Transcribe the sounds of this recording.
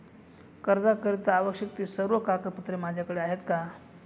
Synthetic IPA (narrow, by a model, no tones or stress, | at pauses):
kəɾd͡zakəɾit̪əaʋəkɕək̚t̪iːsəɾʋəkakəput̪ɾemad͡ʑʱjakəɽeaɦet̪ka